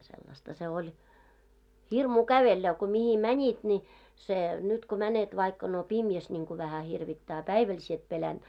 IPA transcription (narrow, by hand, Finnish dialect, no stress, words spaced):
selːɑstɑ se olʲ hirmuː kæʋelːæ ko mihi mænʲit ni se nyt ko mænet ʋɑikːɑ no pimjæs nʲiŋku ʋæhæ hirʋitːæː ɑ pæiʋæl sie et pelænd̥